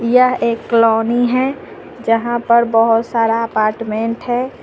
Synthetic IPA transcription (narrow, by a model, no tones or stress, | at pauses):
jəɦeːkːlɔːniɦɛ | d͡ʒəɦãpəɾbəɦʊt̪saːɾaɐpaːɾʈmẽːɳʈɦɛ